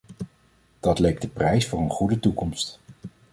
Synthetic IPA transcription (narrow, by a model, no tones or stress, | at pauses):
d̥ɑtlejk̚dəprɛjsfʊːɹənχudətukɔmst